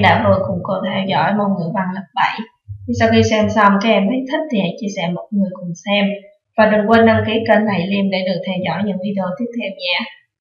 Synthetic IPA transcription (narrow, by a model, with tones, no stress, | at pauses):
ɗa̰ː˧˥ɦ̪o˧˩jkʊ̰˧˥ŋ͡mko˧˩t̪ʰɛ˧wzɔ̰˧˥jmo̰˧jŋɨ˨˩əjɓa˧˩ŋlə˨˩p̚ɓə̰˧˩˨j | sa˧wxi˧sɛ˧msə˧wŋ͡mkaː˨˦˥k̚ʔɛ˧mt̪i˨˦t̪ʰï˦˥k̟̚t̪ʰi˨˩a˨˩˦jt͡ɕi˧əsɛ̰˧˥mo˨˩t̚ŋɨ˨˩əjkʊ˨˩ŋ͡msɛ˧m | vaː˨˩ɗɨ˨˩ŋkwə˧nːa˧ŋki˨˦˥əkə˧nla̰˧˩jli˧əmɗḛ˧˩ɗɨ˨˩ək̚t̪ʰɛ˧wzɔ̰˧˥˨jɲɨ̰˧˥ŋʔi˧ɗo˧t̪i˦˥ək̚t̪ʰɛ˧mɲa̰ː˧˨